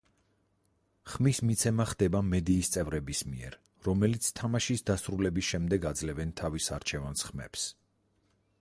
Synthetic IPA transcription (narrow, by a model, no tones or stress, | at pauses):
χmismit̪sʰɛmaχd̪ɛbamɛd̪iːst̪sʼɛvɾɛbismiɛ̰ɾ | ɾɔmɛlit̪sʰt̪ʰamaʃisd̪asɾulɛbisʃɛmd̪ɛɡad̪zlɛvɛnt̪ʰavisaɾt͡ʃʰɛvansχmɛ̰ps